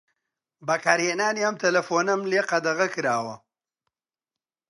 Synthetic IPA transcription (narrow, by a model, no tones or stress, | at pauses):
bɐkaːɾheːnaːniɐmt̪ʰɐlɐfoːnɐmleːqɐd̪ɐɣɐkɨɾaːwɐ